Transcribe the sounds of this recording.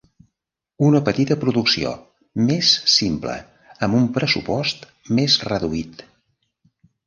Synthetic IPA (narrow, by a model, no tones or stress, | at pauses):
unəpət̪it̪əpɾuðuksio̰ | mesːimplə̰ | əmbumpɾəsupɔst̪ | mezrəðuit̪